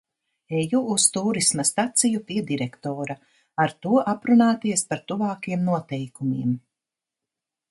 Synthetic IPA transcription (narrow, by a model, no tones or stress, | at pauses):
ɛjuːst̪uːɾismast̪at̪sijupiɛd̪iɾɛkt̪ɔːɾa | aɾt̪uɔʔapɾunaːt̪iɛspaɾt̪uvaːkiɛmnuɔt̪ɛjkumiɛm